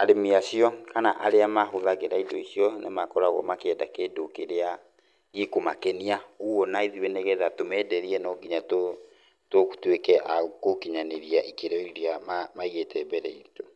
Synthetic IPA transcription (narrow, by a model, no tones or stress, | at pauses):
aɾemiasiɔkanaʔaɾeamahoðaɣeɾaidɔisiɔnemakɔɾaɣɔ̰makɛdakeːdokeɾea | ɣikomakɛniauwɔnaiðiβɛnɛɣɛðatomɛdɛɾiɛnɔɡiɲato | tokutwekɛʔakokiɲaneɾiaʔikeɾɛiɾiamamaiɣetɛbɛɾɛ̰ito